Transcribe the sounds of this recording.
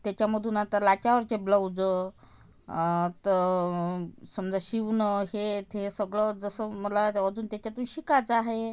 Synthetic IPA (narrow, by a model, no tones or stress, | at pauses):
t̪jat͡ɕjaməd̪ʱuːnat̪əlat͡ɕaʋəɾt͡ɕebləwd͡zə | t̪ə | səmd͡zaɕiʋnəɦet̪ʰesəɡɭəd͡zəsəːməlaəd͡zuːnt̪jat͡ɕat̪uːnɕikat͡saɦe